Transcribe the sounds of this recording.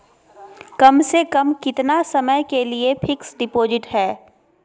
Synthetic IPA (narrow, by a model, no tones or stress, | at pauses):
kɐmsekɐmkɪt̪nasɐməjkeliepʰɪksɖɪpoːzɪʈɦɛː